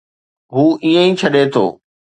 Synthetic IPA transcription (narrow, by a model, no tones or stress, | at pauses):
ɦuːʔĩːə̃ĩːt͡ɕʰɐɗet̪ʰo̰ː